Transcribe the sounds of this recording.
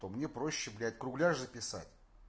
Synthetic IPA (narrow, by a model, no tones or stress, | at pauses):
t̪omnʲe̞pɾo̞ɕːɪblʲɪæt̚ʲkɾʊɡlʲaʐzəpʲɪsa̰tʲ